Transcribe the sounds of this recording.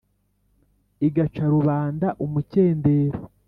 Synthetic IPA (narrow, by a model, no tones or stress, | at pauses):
iɡat͡ʃaɾuβaːndaʔumuce̞ːnde̞ːɾo